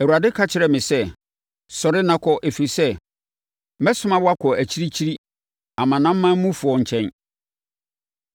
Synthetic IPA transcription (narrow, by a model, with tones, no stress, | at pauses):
æ˨u˨a˨dɪ˦kʰa˦t͡ɕʰɪ˨ɾɛ˨mɪ̃˨sɛ˦ | sɔ˨ɾɪ˦nã˦kʰɔ˦ʔe˨fi˨i˨sɛ˦ | mɛ̃˦sʊ˦mã˦wa˦kʰɔ˨æ˨t͡ɕʰi˦ɾi˦t͡ɕʰi˦ɾi˦ | ã˨mã˨nã˦m̩ː˦ã˦m˦mũ˦fʊ˨ɔ˨ɲ̩˨t͡ɕʰɛ̃˦n